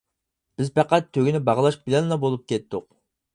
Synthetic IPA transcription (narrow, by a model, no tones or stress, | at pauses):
b̥ɪzpʰɛqæt̪ʰːøɡʲinɪbɑʁlˠɑʃbɪlɛnlˠɑbolˠup̚kʲʰɛt̪ːʊq̚